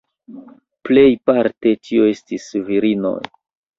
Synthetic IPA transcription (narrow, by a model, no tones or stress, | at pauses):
ple̞jpaɾte̞tio̞e̞stisviɾino̞̰j